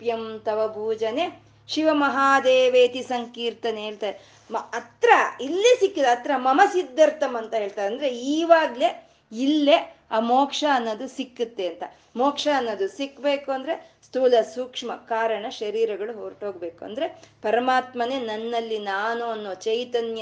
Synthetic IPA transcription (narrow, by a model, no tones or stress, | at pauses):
pjɐmt̪ɐʋɐbʱuːd͡ʒɐne | ʃiʋɐmɐɦaːd̪eːʋeːt̪isɐŋkiːɾt̪ɐneeːɭt̪ae | mɐt̪ɾɐilːesikːit̪ːeɐt̪ɾɐmɐmɐsid̪ːɐɾt̪ɐmɐnt̪ɐɦeːɭt̪aːɾɐnd̪ɐɾeiːʋaːɡle | ilːeaːmoːkʂɐɐnːoːd̪usikːut̪ːe̞ɐnt̪ɐ | moːkʂɐːnːod̪usikːbeːkuɐnd̪ɐɾe̞ | st̪uːlɐsuːkʂmɐkaːɾɐɳɐʃɐɾiːɾɐɡɐɭuɦoːɾʈɦoːɡbe̞ːkuɐ̰nd̪ɐɾe̞pɐɾɐmaːt̪mɐneːnɐnːɐlːinaːnuɐnːoːt͡ʃɐjt̪ɐnjɐ